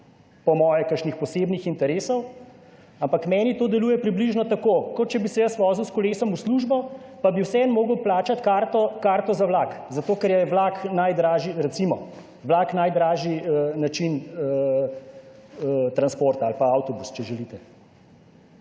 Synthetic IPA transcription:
pɔmɔːjɛkəʃnixpɔseːbnixint̪ɛɾeːsɔw | ampakmɛːnit̪oːd̪ɛluːjɛpɾibliʒnɔt̪akoːkɔt̪̚t͡ʃɛbisɛjasʋɔːziwskɔleːsɔmusluʒbɔ | pabiwsɛɛnmoːɡəwplaːt͡ʃat̪kaːɾt̪ɔkaːɾt̪ɔzawlaːkzat̪oːkɛɾjɛʋlaknajd̪ɾaːʒiɾɛtsimɔ̰ | ʋlaːknajd̪ɾaːʒiənat͡ʃinə | t̪ɾanspoːɾt̪aːlpaawt̪ɔbust͡ʃɛʒɛlit̪ɛ

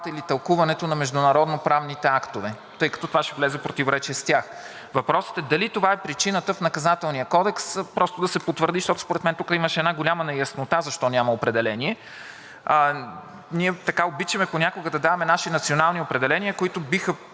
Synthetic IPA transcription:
t̪əilit̪ɐlˠkuvɐnɛt̪onɐmɛʒd̪ʊnɐɾɔd̪nopɾavnit̪ɛakt̪ovɛ | t̪ɤjkɐ̥t̪ɔt̪ovaʃɛvlɛzɛpɾot̪ivoɾɛt͡ʃɛst̪jax | vɐpɾɔsə̥t̪ɛd̪ɐlit̪ovaɛpɾit͡ʃinət̪əfnɐkɐzat̪ɛlˠnijəkɔd̪ɛkspɾɔst̪od̪ɐsɛpot̪vəɾd̪iʃt̪ɔt̪ʊ̥spoɾɛt̪mɛnt̪ukəiməʃɛɛd̪naɡolʲamɐnɛjɐsnot̪azɐʃt̪ɔnʲamɐopɾɛd̪ɛlɛniɛ | niɛt̪ɐkaobit͡ʃɐmɛponʲakoɡəd̪ɐd̪avɐmɛnaʃinɐt̪sionalˠniopɾɛd̪ɛlɛnʲiəkoit̪obixə

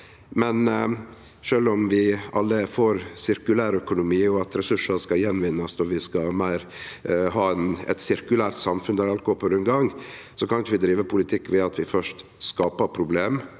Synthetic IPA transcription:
mɛn | ʂøːlɔmʋɪɑ̰lːəfoːɾsɪɾkʉlæːɾœkʊnʊmiːjʊɑt̪ɾɛsʉʂəskɑjɛnʋɪnːɑsɔʋɪskɑmæɪɾ | ɦɑːɛnɛ̰t̪sɪɾkʉlæːɾt̪sɑmfʉnd̪æɾɑlkɔɔfɔɾɛnɡɑŋ | sɔkɑnkʋɪd̪ɾiːʋəpʰʊlɪt̪ʰɪkːʋɛɑt̪ʰʋɪfœʂt | skɑːpəɾpʰɾʊbleːm

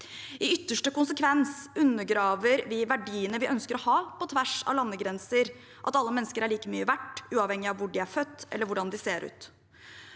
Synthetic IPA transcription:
ʔɪʏt̪ːəʂʈəkʊnsəkʰʋɛnsʉnːəɡɾɑːʋəɾʋɪʋæɖiːənəʋɪʔœnskəɾɔhɑːpɔt̪ʰʋæʂɑ̰ʋlɑnːəɡɾɛnsəɾ | ʔɑt̪ɑlːəmɛnːəskəɾæɭiːkəmyːəʋæʈːʉːɑʋhɛŋːɪɑʋʋʊɖɪæɾfœt̪ːɛ̰lːəɾʋʊɖɑnd̪ɪseːɾʔʉ̰ːt̪

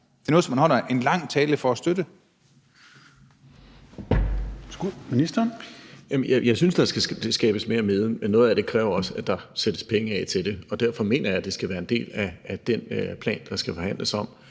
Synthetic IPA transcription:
d̥eɐnɔð̩ˠsɒ̽mænhɒl̰ɐe̝nlɑ̈ŋ̰t͡sʰɛːləfɒæsd̥ødə | sɡ̥uminisd̥ɐnjæmjjɑ̈ɪsynsd̥ɑ̈sɡ̥æsd̥esɡ̥ɛːb̥əsme̝ːɐme̝ð̞ˠəmenːɔ̽ð̞̩ˠæd̥e̝kʰʁɛːʊɐɒ̽səæd̥ɑ̈sed̥əspʰeŋəɛ̰t͡sʰe̝ld̥e̝ɒ̽d̥æɐfɒ̽me̝̰ːnɐjɑ̈d̥e̝sɡ̥æʋæːɐe̝nd̥e̝̰ːlæːd̥enpʰlɛ̰ːnd̥ɑ̈sɡ̥æfɒ̽hæn̰lʔəsɒ̽m̰

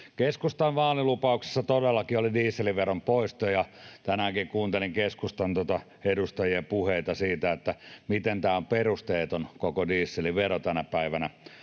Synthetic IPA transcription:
keskust̪ɑʋʋɑːlilupɑukse̥sːɑt̪odelːɑkiolidiːsːeliʋerompoist̪ojɑt̪ænækiŋkuːnt̪eliŋkeskust̪ɑnt̪ot̪ɑ | edust̪ɑjiepuheit̪ɑsiːt̪æet̪ːæmit̪ent̪æːomperust̪eːt̪onkokodiːsːeliʋerot̪ænæpæiʋænæ

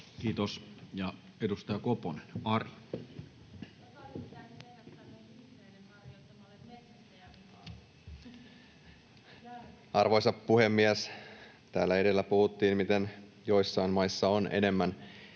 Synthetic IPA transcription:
kiːt̪osjɑ | edust̪ɑjɑkoponenɑrjɑ | ɑrʋo̞jsɑppuhe̞mːiæs | t̪æːlːæe̞de̞lːæpuhut̪ːiːnmit̪e̞n | jo̞jsːɑinmmɑjsːɑonʔḛne̞mːæn

